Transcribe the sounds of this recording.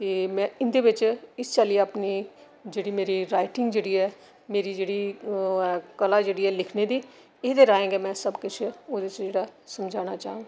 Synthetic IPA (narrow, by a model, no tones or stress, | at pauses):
t̪eːmɛ̃ːɪnd̪eːʋɪt͡ʃɪst͡ʃaːliːaːpniː | d͡ʒeːɽiːmeːɾiːɾaːɪʈɪ̃ŋɡd͡ʒeːɽiːɛː | meːɾiːd͡ʒeːɽiː | kəlaːd͡ʒeːɽiːɛːlɪkʰneːd̪iː | eːd̪eːɾaːẽːɡɛːmɛ̃ːsəbkʊt͡ʃʰoːd̪et͡ʃd͡ʒeːɽaːsəmd͡ʒaːnaːt͡ʃa̰ːũːɡaː